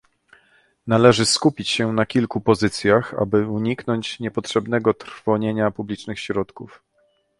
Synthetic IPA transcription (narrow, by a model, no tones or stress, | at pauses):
nalɛʐɘskupʲit͡ɕɕɛnakʲilkupɔzɘt̪sʲjaxa̰bɘuɲiknɔɲt͡ɕɲɛpɔtʂɛbn̪ɛɡɔt̪ɾfɔɲeɲapublʲit͡ʂnɘxɕɾɔt̪kuf